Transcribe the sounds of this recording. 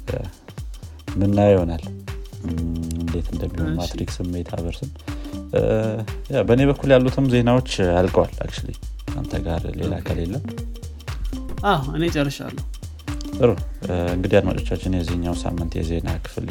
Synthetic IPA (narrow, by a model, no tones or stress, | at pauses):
mɨnːajho̞nal | nd̪et̪ʰɨnd̪əmːihonmat̪ɾiksɨmːe̞t̪ʰa̰βəɾsɨn | jabəne̞βəkʰːuljalːut̪ʰɨmze̞nawo̞t͡ʃːalkʼəwala̰kt͡ʃulḭa̰nt̪ʰəɡaɾle̞lakʰalelːəm | ʔawɨnet͡ʃʼərːəʃa̰lːəhu | sɨɾuɨŋɡɨd̪iad̪ma̰t͡ʃʼot͡ʃːat͡ʃːɪnjɛzihɨɲːawsa̰mːɨnt̪jɛ̰ze̞nakʰɨ̥fɨl